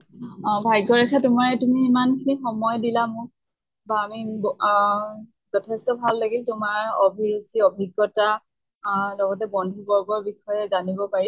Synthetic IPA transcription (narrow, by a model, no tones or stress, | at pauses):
bʱajɡɔɹɛkʰatʊmaɹɛtumiːmankʰinixɔmɔjdilamʊ̃ | baːmib | zɔtʰɛstɔbʱalːaɡiltʊmaɹɔbʱisiɔbʱiɡːɔta | lɔɡɔtɛbɔndʱubɔɹbɔɹbixɔjɛzanibɔpaɹi